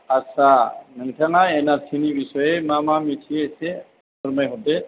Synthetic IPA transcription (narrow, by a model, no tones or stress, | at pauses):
asanəŋtʰaŋaɛnasʰinibisɔjemamamitʰiase | ɔɾmajɦɔdɛ